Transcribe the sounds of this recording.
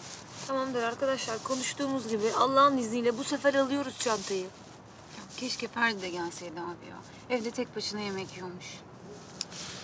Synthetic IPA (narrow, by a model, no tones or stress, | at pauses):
t̪ʰamamd̪ɯɾaɾkad̪aʃlˠaɾkʰo̞nuʃt̪ʰuːmuzɟibɪʔalˠːaːɦɯnizniːlʲɛbusefæɾalˠɯjo̞ɾuz̥t͡ʃʰant̪ʰɯjɯ | jacʲʰɛʃcɛfæɾd̪id̪ɛɟælʲsejd̪abḭjo̰ | ɛvd̪ɛt̪ʰɛc̚bʰaʃɯnajemɛcʰjomuʃ